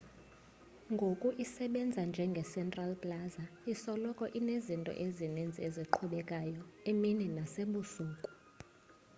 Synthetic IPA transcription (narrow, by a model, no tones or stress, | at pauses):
ŋɡʱokʼuʔisɛɓɛnd͡zʱand͡ʒʱɛŋɡʱɛsɛntʼralpʼlazaisɔlɔkʼɔʔinezintʼɔ̰ʔezinind͡zʱieziǃʰuɓɛkʼajɔemininaseɓusuːkʼu̥